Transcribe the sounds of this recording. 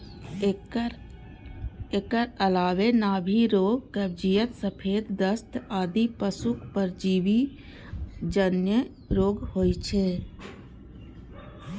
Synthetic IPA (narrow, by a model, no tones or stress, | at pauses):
eːkəɾəlaːʋenaːbʱiɾoːɡkəb̚d͡ʒijət̪səpʰeːd̪ːəst̪aːd̪ipəsʊkpəɾd͡ʒiːbi | d͡ʒənjə | ɾoːɡhoːjt͡ʃʰe